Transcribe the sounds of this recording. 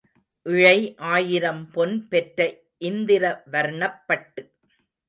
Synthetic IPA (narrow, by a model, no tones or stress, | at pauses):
ʔɪɻɐɪʔaːjɪɾɐmpɔnpɛʈɾɐ | ʔɪnd̪ɪɾɐʋɐɾɳɐpːɐʈːɯ